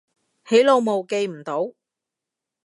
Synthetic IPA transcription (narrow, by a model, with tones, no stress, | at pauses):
he˨˥jlo˨˧wmo˨wke˧jm̩˨˩t̪o˨˥w